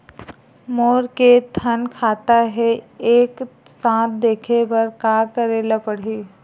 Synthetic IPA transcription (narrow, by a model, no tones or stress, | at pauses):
moːɾket̪ʰənkʰaːt̪aɦɛeːksãːt̪̚d̪eːkʰebɐɾkaːkəɾeːlapɐɽ̤iː